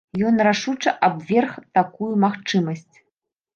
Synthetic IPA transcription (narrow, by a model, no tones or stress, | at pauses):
jɔnraʂut͡ʂɐʔabvʲɛrxt̪akujumaxt͡ʂɨmɐsʲt͡sʲ